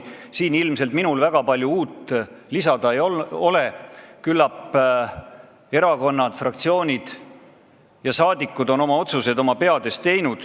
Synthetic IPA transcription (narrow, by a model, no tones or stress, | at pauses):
siːnilmselt̪̚minulvæɡ̥ɑpɑlʲjuuːt̪ːˑlisɑd̪̥ɑejoo̞le̞kylːɑpː | e̞ɾɑko̞nːɑd̪̥frɑkt̪sio̞ːnʲid̪̥ | jɑsɑːd̪ikːˑud̪o̞no̞mɑo̞t̪suse̞d̪o̞mɑpe̞ɑd̪e̞st̪ːe̞jnud̪̥